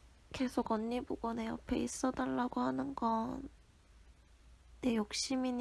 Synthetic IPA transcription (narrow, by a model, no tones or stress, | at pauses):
ke̞sʰoɡʌɲːibuɡʌneʌ̰pʰḛis͈ʌdaɭːaɡohanɯnɡʌn | e̞jok̚ɕ͈imiɲ